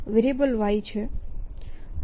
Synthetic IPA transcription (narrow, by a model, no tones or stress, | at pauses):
ʋɪɾebəlʋait͡ʃʰe